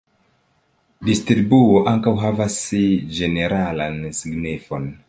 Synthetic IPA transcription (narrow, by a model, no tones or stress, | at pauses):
distɾibuoʔaŋkawɦavasd͡ʒe̞ne̞ɾalansiɡnifon